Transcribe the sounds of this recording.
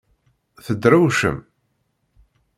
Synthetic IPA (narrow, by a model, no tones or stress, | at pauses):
θəd̪ɾuwʃə̰m